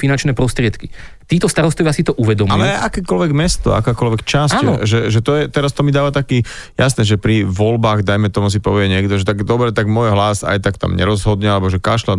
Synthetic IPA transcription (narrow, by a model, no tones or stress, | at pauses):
finant͡ʃnɛːpɾɔst̪ɾɪɛt̪kit̪iːt̪ɔst̪aɾɔst̪ɔʋɪasit̪ɔʔuʋɛd̪ɔmalɛʔakɛːkɔlʋɛɡmɛst̪ɔ̰a̰kɛːkɔlʋɛkt͡ʃasnʒɛʒɛt̪ɔjɛt̪ɛɾast̪ɔmid̪aːʋat̪akiːjasnɛːʒɛpɾiʋɔlbaːɣd̪ajmɛt̪ɔmus̬ipɔʋɪɛɲɪɛɡd̪ɔʒɛt̪aɡd̪ɔbɾɛt̪aɡmɔjɦlasa̰jt̪akt̪a̰mɲɛ̰ɾɔzɦɔd̪ɲɛalɛbɔʒɛkaʃla